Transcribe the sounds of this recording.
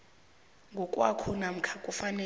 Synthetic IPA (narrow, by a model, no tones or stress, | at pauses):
ŋɡʱɔkʼwakʰɔnam̩kʰakʼufanɛ